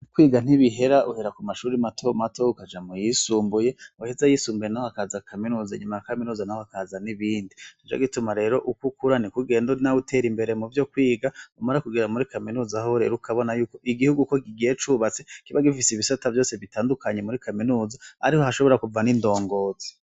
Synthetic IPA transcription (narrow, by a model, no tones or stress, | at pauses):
kwiːɡan̥iβiɦe̞ɾaʔuhe̞ɾakumaʃuːɾimatʰo̞mato̞ukad͡ʒamujisuːmbuje̞uhezajisuːmbuje̞nahoakazakʰaminuːza̰ɲumajakaminuːzanahohakazaniβiːndiid͡ʒa̰ɡitumaɾe̞ːɾo̞ʔukukuɾanikuɡe̞ːndonautʰe̞ɾimbe̞ɾe̞muvjo̞kwiːɡaumaɾakuɡiɾamuɾikaminuːzahoɾe̞̰ːɾukaβo̞najuːko̞ʔiɡihuɡuko̞kiɡijet͡ʃuːβat͡se̞kiβaɡifisiβisatavjo̞ːse̞βitaːndukʰaɲe̞muɾikʰaminuːzaa̰ɾiho̞haʃoβo̞ɾakuvanindo̞ːŋɡo̞ːze̥